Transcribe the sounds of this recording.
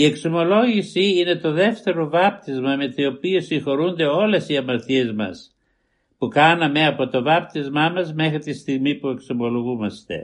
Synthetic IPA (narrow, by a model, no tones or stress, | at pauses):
ie̞ksomo̞lo̞ʝisiine̞t̪o̞ðe̞ft̪e̞ɾo̞vɐp̚t̪izmɐme̞t̪io̞piosiŋxo̞ɾund̪e̞o̞le̞siɐmɐɾθiezmɐ̰s | pukɐnɐme̞ɐpo̞t̪o̞vɐp̚t̪izmɐmɐzme̞xɾit̪ist̪iɣmipue̞ksomo̞lo̞ɣumɐst̪e̞̰